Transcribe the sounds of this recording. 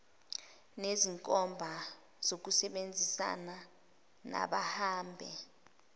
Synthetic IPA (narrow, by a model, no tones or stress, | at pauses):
neziŋkʼɔmbʱa | z̥ok̬usɛɓend͡zʱisa̰na | na̰ɓahaːmbʱɛ